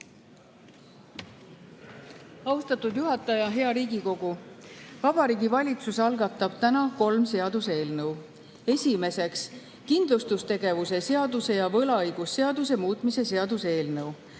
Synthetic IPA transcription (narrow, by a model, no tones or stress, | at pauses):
ɑust̪ɑt̪ud̪juɦɑt̪ːˑɑjɑɦe̞ɑɾiːɡiko̞ɡ̥uvɑb̥ɑɾiːɡivɑlʲit̪susɑlɡɑt̪ːˑɑb̥t̪ænɑko̞lmse̞ɑd̪̥use̞ːlnɤw | e̞sʲime̞se̞ks | kind̪̥lust̪ust̪e̞ɡe̞vuse̞se̞ɑd̪use̞jɑvɤlɑɤjɡ̥usːe̞ɑd̪us̬e̞muːt̪ˑmise̞se̞ɑd̪use̞ːlnɤw